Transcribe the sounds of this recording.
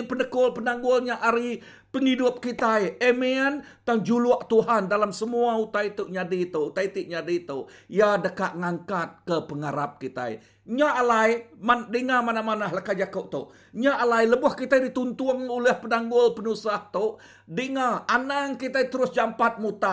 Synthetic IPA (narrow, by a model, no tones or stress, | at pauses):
pənəkʊlpənaŋɡʊlɲaʔaɾi | pəŋidʊp̚kit̪ajemian | t̪aŋd͡ʒulʊaʔt̪uɦandalamsəmuaut̪ajt̪ʊʔɲadit̪ut̪ajt̪iʔɲadit̪oʔjadəkaʔŋaŋkat̪̚kəpəŋaɾap̚kit̪a̰j | ɲaʔalajmadəŋamanahmanahlakad͡ʒakʊʔt̪oʔ | ɲaʔalajləbʊhkit̪ajdit̪unt̪ʊŋoləhpənaŋɡʊlpənusaht̪oʔ | dəŋaʔanaŋkit̪ajt̪əɾʊsd͡ʒampat̪̚mut̪a